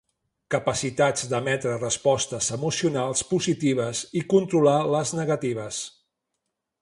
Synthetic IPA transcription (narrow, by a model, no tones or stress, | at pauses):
kəpəsit̪ad͡zd̪əmɛt̪ɾərəspɔst̪əzəmusiunalˠspuzit̪iβ̞əzikunt̪ɾulaləznəɣət̪iβ̞əs